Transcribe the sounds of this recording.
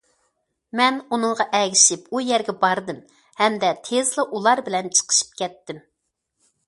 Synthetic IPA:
mɛnunɨŋʁɑʔɛɡʲɪʃipujɛɾɡʲɛbɑɾd̪ɨm | hɛmd̪ɛt̪ʰezlˠɨʔulˠɑɾbɪlɛnt͡ʃʰə̥qʰə̥ʃi̥p̚kʲɛt̪ːɪm

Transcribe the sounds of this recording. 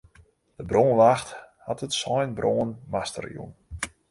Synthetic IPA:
d̥əbroːnʋaxthatətsɔjnbroːənmastə̰rjṵn

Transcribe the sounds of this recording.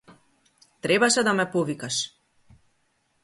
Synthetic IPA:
t̪ɾɛbaʃɛd̪amɛpɔvikaʃ

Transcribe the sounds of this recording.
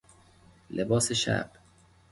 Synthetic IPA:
lʔebɒːseʃæ̰b̥

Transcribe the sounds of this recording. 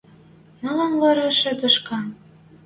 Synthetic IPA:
mɑlɑnβɑɾɑʃɘ̆d̪ə̆ʃkɑ

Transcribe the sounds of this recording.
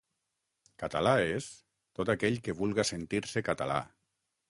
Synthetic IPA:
kat̪alaes | t̪ot̪akɛʎkeβulˠɣasent̪iɾsekat̪ala̰

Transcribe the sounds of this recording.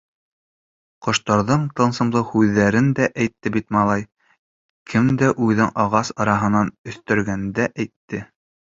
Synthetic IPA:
qŏʃt̪ɑɾðɤɴt̪ɤ̆nsɤ̆mlˠɤhʉðːæɾɘnd̪æʔæjt̪ːɘbit̪mɑlˠɑj | kʰɘmd̪æʔʉðɘŋʔɑʁɑsɑɾɑɦɤ̆nɑnɵ̆θt̪ɵ̆ɾɡænd̪æʔæjt̪ːɘ

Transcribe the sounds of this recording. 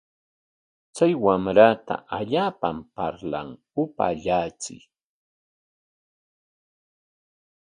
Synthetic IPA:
t͡sajwamɾat̪a̰ʔaʎaːpampaɾla̰ŋ | ʊpa̰ʎat͡sɪ̰j

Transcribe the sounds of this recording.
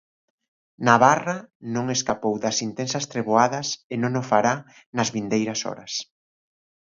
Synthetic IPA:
naβarɐnõŋeskapowðɐsint̪ensɐst̪ɾeβoaðɐsenõŋofaɾa | nɐzβind̪ejɾɐsɔ̰ɾɐs

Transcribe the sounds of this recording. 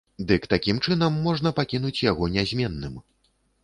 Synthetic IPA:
d̪ɨkt̪akʲimt͡ʂɨnɐmːɔʐnɐpakʲinut͡sʲjaɣɔnʲazʲmʲɛnːɨm

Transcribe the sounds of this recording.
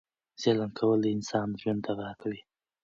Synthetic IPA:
z̥elankʰawəlɪnsɑnʒwand̪aɣaakawi

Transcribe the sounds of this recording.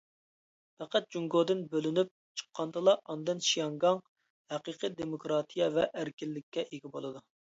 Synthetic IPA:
pæqæt̪̚d͡ʒuŋɡod̪ɪnbølynyp̚t͡ʃʰə̥qʰːɑnd̪ɨlˠɑʔɑnd̪ɨnʃijɑŋɡɑŋ | hæqiqʰid̪emokɾɑt̪ʰijɛvɛʔæɾkʲɪlːɪkʲʰːɛʔeɡʲɛbolˠɨd̪u

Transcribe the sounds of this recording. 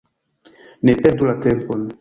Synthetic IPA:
nepɛt̪ulat̪ɛmpon

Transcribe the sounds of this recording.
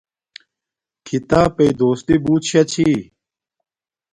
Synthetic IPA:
kʰit̪aːpeid̪oːst̪ibuːt̪ɕɐt͡ɕʰiː

